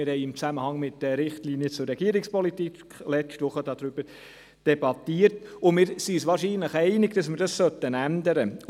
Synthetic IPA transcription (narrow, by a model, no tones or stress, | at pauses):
ɪɾhɛɪɪmt͡sæməhɑŋmɪt̚dɛɾɪχtliːnjət͡sʊɾːɛɡ̥iəɾɪkspɔlitikkʰlɛt͡ʃtʋʊχəd̥ɑd̥̪ɾʏb̥əɾ | d̥ɛbɑtiəɾtʊmɪːɾsisʋɑːɾʃiːnləχɛɪnɪɡ̥d̥ɑsmɪɾdɑssœtːənænd̪əɾə